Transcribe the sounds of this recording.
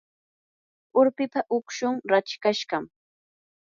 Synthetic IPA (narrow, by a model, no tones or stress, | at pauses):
ʊɾpɪpaʔʊkʃʊŋɾat͡ʃkaʃɢɑm